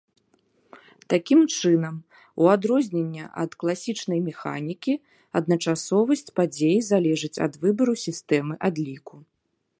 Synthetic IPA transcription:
t̪akʲimt͡ʂɨnɐm | uad̪ɾɔzʲnʲenʲːɐʔɐ̰t̪klˠasʲit͡ʂnɐjmʲɛxa̰nʲikʲi | ɐd̪nɐt͡ʂasɔvɐsʲt͡sʲpad͡zʲejizalʲɛʐɨt͡sʲɐ̰d̪vɨbɐɾusʲist̪ɛmɨʔad̪lʲiku

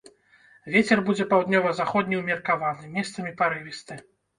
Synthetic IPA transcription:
vʲet͡sʲɛrbud͡zʲɛpawd̪nʲɔvɐzaxɔd̪ʲnʲiwmʲɛrkavanɨmʲɛst̪sɐmʲipaɾɨvʲist̪ɨ

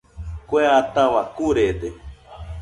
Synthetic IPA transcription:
kʷeat̪awakuɾed̪e

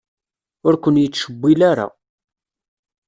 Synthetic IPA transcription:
ʊɾkʷənjət͡sːʃəbʷːilaɾa̰

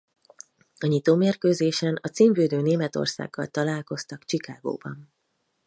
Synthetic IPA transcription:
ɒɲit̪oːmeːrkøːzeːʃɛnɒt̪siːɱvøːd̪øːneːmɛt̪o̞̰rsa̰ːɡːɒ̰lt̪ɒlaːlko̞st̪ɒkt͡ʃikaːɡo̰ːbɒ̰n

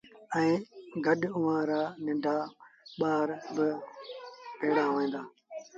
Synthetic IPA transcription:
ɛ̃ːɡəɗʊʋãːɾaːnɪ̃ɳɖʱaːɓaːɾbɪ | peːɽaːʋẽːnd̪aː

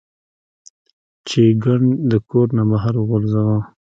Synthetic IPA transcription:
t͡ʃeɡaɳd̪əkoɾnamaɦaɾɣolzawã

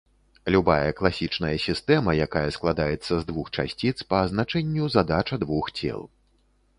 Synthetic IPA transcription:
lʲubajɐklˠasʲit͡ʂnɐjɐsʲist̪ɛmɐjakajɐsklˠad̪ajɛt̪sːɐzd̪vuxt͡ʂa̰sʲt͡sʲit̪spɐːznat͡ʂɛnʲːuzad̪at͡ʂɐd̪vuxt͡sʲɛ̰lˠ

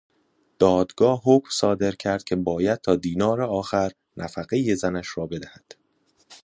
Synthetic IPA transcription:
d̪̥ɒːd̪ɡɒːɦoːkmsɒːd̪e̞ɾcʰæɾd̪̥cʰe̞bɒːjæd̪̚t̪ʰɒːd̪iːnɒːɾeɒːxæɾ | nʔæfæɣeje̞zænæʃrɒːbe̞d̪æhæd̪̥

